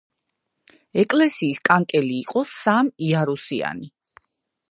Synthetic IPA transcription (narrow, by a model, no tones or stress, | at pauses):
ɛkʼlɛsiːskʼaŋkʼɛliːqʼɔsamiaɾusia̰ni